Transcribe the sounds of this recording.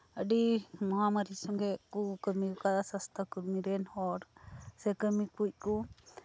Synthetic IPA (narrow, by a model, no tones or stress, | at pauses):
əɖimɔɦamaɾisɔŋɡɛʔkukəmikukad̪asast̪ʰakuɾmiɾɛnhɔɾsɛkəmipuc̚ku